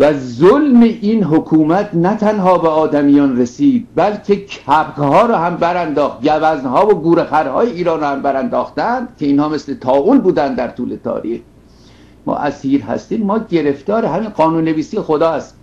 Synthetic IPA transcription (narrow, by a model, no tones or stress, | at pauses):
væzolmeʔinɦokʰuːmæt̪ʰnæt̪ʰænɦɒːbeɒːd̪æmijɒːnɾesiːd̪̚bælcʲʰe̞cʰæpʁhɒːɾɒːhæmbæɾænd̪ɒːxt̪jævæznɦɒːvoɡuːɾexæɾhɒ̰ːjeiːɾɒːnɾɑːhæmbæɾænd̪ɒːxt̪ænd̪̥cʰʲe̞iːnhɒːmeslet̪ʰɒːʔuːnbuːd̪ænd̪d̪æɾt̪ʰuːlet̪ʰɒ̰ːɾiːx | mɒ̰ːʔæsiːɾhæ̰st̪iːmːɒːɟe̞ɾe̞ft̪ɒːɾeɦæmiːnɢɒːnuːnːe̞viːsiːjexod̪ɒːæst̪i